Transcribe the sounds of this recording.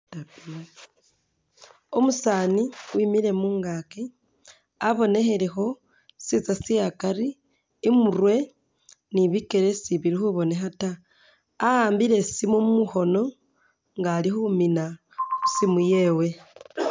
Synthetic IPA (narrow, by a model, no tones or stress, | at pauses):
omusaːniwimiɾe̞muːŋɡake | aβo̞ne̞xe̞ɾexo̞ | sit͡sasijakaɾiː | muɾwe̞ | niβike̞ɾe̞siβiɾixuβo̞ne̞xataː | haːmbiɾe̞simumuxo̞no̞ | ŋɡalixumina | usimuje̞ːwe̞